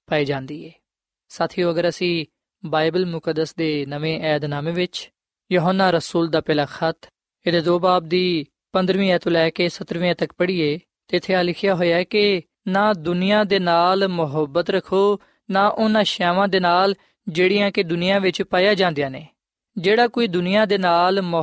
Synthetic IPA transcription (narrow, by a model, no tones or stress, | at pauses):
paːiːd͡ʒãːnd̪iːeː | saːt̪ʰiːõːəɡəɾəsĩː | baːɪbəlmʊkəd̪ːəsd̪eːnəʋẽːʔɛːd̪naːmeːʋɪt͡ʃ | joɦonːaːɾəsuːld̪aːpɛːlaːxʰət̪ʰ | ɪd̪eːd̪oːbaːb̚d̪iː | pənd̪ɾʋĩːɛːt̪õːlɛːkeːsət̪ɾʋĩːɛːt̪əkpəɽiːeː | t̪eːɪt̪ʰeːaːlɪkʰɪjaːɦoːjaːɛkɪ | nãːd̪ʊnɪjãːd̪eːnaːlmʊɦəbːət̪ɾəkʰːoː | naːʔʊnãːʃɛːʋãːd̪eːnaːl | d͡ʒeːɽɪjãːked̪ʊnɪjãːʋɪt͡ʃpaːjaːd͡ʒãːnd̪ijaːneː | d͡ʒeːɽaːkoiːd̪ʊnɪjãːd̪eːnaːlm